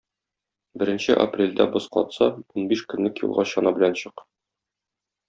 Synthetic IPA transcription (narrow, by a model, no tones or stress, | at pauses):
bɘ̆ɾɘ̆nɕɘʔa̰prʲelʲd̪æbosqɒ̰t̪sɑunbiʃkɵ̆nlɘkjṵlˠʁɑɕɒnɑbɘ̆lænɕɤq